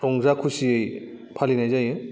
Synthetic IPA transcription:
ɾɔŋzakʰusiɯj | pʰalinajzajɯ

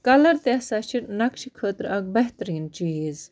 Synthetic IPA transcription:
kɐlɐɾt̪esaːʃiɾnɐkʃikʰəːt̪ɾɐɡ̚bɐɦt̪ɾiːnt͡ʃiːz

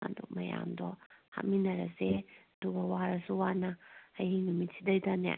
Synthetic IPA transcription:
a̰dumɐja̰mdɔha̰t̚minɐɾɐ̰seɐduɡɐwaɾɐsuwanaːjinumitʰidɐjdana̰

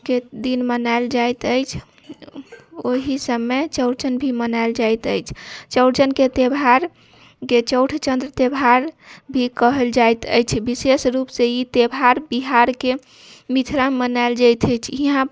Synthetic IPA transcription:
ked̪inmənaeld͡ʒajt̪əjt͡ʃʰ | oɦisəmːet͡ʃəʊɾt͡ʃənbʱimənald͡ʒajt̪əjt͡ʃʰt͡ʃəʊʈt͡ʃənket̪ebʱaɾ | ket͡ʃəwʈʰt͡ʃənd̪ɾət̪ebʱaɾbʱikəɦəld͡ʒajt̪ə̰jt͡ʃʰbisesɾupseit̪ebʱaɾbiɦaɾke | mit̪ʰɾammənaeld͡ʒajt̪ʰəjt͡ʃʰiɦã

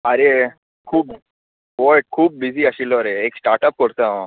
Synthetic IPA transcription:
əɾe | kʰuːp̚ | ʋoʈ̚kʰuːp̚bid͡ziːəɕilːɔɾeːksʈaɾʈəp̚kɔɽt̪ã

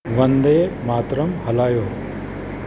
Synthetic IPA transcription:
ʋɐ̃nd̪ejmaːt̪ɾɐmɦɐlaːjoː

